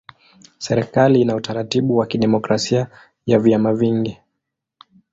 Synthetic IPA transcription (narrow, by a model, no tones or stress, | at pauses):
sɛɾɛkaliinautaɾatiɓuwakiɗɛmɔkɾasia | javjamaviŋɡi